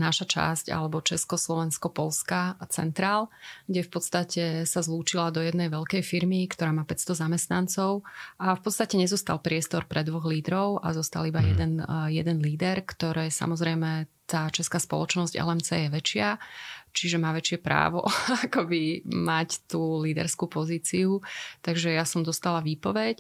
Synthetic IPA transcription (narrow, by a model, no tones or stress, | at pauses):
naʃat͡ʃa̰sca̰lɛbɔt͡ʃɛskɔslɔʋɛnskɔpɔlskat͡sɛ̰nt̪ɾaːlɡɟɛfpɔt̪st̪acɛsazluːt͡ʃilad̪ɔjɛd̪nɛjʋɛʎkɛjfiɾmikt̪ɔɾaːmaːpɛtst̪ɔzamɛst̪nant͡sɔʊʔafpɔt̪st̪acɛɲɛzɔst̪alpɾɪɛst̪ɔɾpɾɛd̪ʋɔɣliːd̪ɾɔʊʔa̰zɔst̪alibajɛd̪ɛnjɛd̪ɛnliːd̪ɛɾkt̪ɔɾɛːsa̰mɔzɾɛjmɛt̪aːt͡ʃɛskaːspɔ̰lɔt͡ʃnɔzɟɛ̰lɛmt͡sɛ̰jɛʋɛt͡ʃɪat͡ʃiʒɛmaːʋɛt͡ʃɪɛpɾa̰ːʋɔ̰akɔbimact̪uːliːd̪ɛ̰ɾskupɔziːt͡siut̪aɡʒɛjasɔmd̪ɔst̪alaʋiːpɔʋɛc